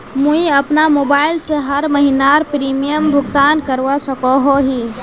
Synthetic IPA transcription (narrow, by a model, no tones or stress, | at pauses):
muiəpnamobailseɦəɾməɦinaɾpɾimijəmbʱʊɡt̪ankəɾʋasəkɔɦoɦi